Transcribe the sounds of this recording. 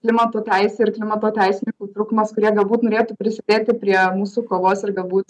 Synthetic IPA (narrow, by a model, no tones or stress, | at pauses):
klʲɪmɐt̪oːt̪ʲɛɪsʲeːɪrklʲɪmɐt̪oːt̪ʲɛɪsʲɪnʲɪŋkut̪ɾuːkmɐskʊɾʲiɛɡɐlˠbuːt̪noːɾʲeːt̪uːpʲɾʲɪsʲɪd̪ʲeːt̪ʲɪpʲɾʲiɛmuːsuːkoːlˠoːsɪrɡɐlˠbuːt̪